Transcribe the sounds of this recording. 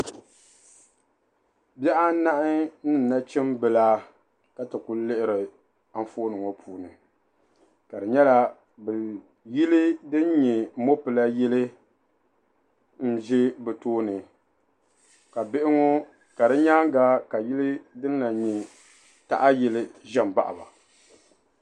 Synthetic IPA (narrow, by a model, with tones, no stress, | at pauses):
bɛ˦ʔa˦na˦ʔɪ˦nɨ˦˨n̩˨na˦t͡ʃɛ˦mbɨ˨laː˦ | ka˦tɨ˨ku˨˦lɪ˦ʔɪ˦ɾɨ˨ | a˦ɱ˦foː˦nɨ˨ŋo˦pʰuː˨nɨ˨ | ka˨dɨ˨ɲɛ˦la˦ | bɛ˨ | ji˦li˦dɨ˦n˦ɲɛ˨mo˦pɨ˨la˦jɛ˦lɨ˦ | n̩˦ʒɛ˦bɛ˨toː˦nɨ˨ | ka˨bɪ˦ʔɪ˦ŋo˦ | ka˨dɨ˦ɲa˦ŋ˦ɡa˦ka˨ji˦li˦dɨ˦n˦la˨ɲɛ˨ | ta̰˦ʔa˦jɛ˦lɨ˦ʒɛ˦m˨ba̰˦ʔa̰˨ba˨